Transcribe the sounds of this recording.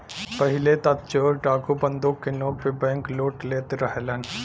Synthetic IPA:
pəɦɪlet̪ɐt̪̚t͡ʃoːɾʈaːkubə̃nd̪okːenɔːɡ̚pebɛ̃ːŋkloːʈleːt̪eɾəɦlən

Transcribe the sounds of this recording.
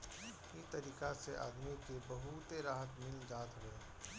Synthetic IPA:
it̪ɐɾiːkaseʔa̰ːd̪mikebɐɦut̪eɾaːɦət̪mɪld͡ʒaːt̪ɦoeː

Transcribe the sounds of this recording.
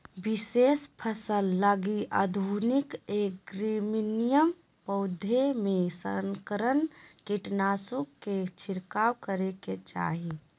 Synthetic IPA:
bisespʰəsəlːaɡiʔad̪ʱunikeɡɾiminijəm | pəʊd̪ʱemesə̰ŋkəɾənkiʈnasuket͡ʃʰiɾkawkəɾeket͡ʃa̰ɦi

